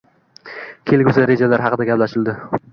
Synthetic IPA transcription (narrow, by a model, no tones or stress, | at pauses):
kʲʰelɡʲuzɪɾe̞d͡ʒalaɾɦɑqɨd̪aɡʲaplaʃɪld̪ɪ